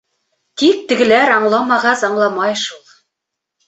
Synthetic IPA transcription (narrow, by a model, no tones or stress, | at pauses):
t̪ik̚t̪ɘ̆ɡɘ̆læɾɑɴlˠɑmɑʁɑsɑɴlˠɑmɑjʃulˠ